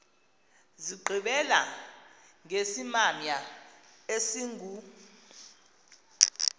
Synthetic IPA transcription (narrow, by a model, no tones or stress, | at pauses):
ziɡ͡ǃʱiɓɛla̰ | ŋesimamja | esiŋʱu